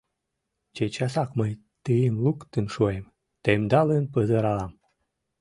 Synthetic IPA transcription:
t͡ɕet͡ɕɑsɑkməj | t̪əjimlˠukt̪ɨnʃuem | t̪emd̪ɑlənpəzəɾɑlɑm

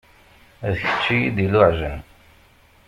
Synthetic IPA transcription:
ðəçə̥t͡ʃːijid̪ilʊʕʒən

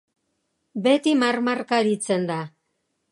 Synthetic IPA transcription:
be̞t̪imarmarkaɾit͡se̞nd̪a

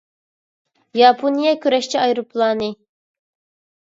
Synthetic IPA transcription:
jɑpʰonijɛkʲʰyɾɛʃt͡ʃʰiɑjɾopʰlˠɑːnɨ

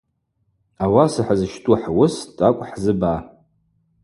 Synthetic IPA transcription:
awasaħazɨʃtʰʼuħwʊstʼakʷʼħzɨba

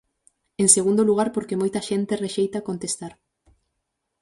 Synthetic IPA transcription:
eŋseɣũnd̪oluɣ̞aɾpoɾkemojt̪ɐʃent̪ereʃejt̪akont̪est̪aɾ

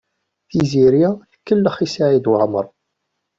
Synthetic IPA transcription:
θiziɾjæθəkːəlːəχisaʕid̪wʕəməɾˤ

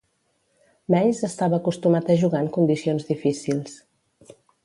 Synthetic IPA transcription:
mɛjzəst̪aβəːkust̪umat̪əʒuɣaŋkund̪isionzðifisilˠs

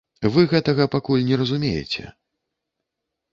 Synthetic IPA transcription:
vɨɣɛt̪ɐɣɐpakulʲnʲɛɾɐzumʲḛjɛ̰t͡sʲɛ̰

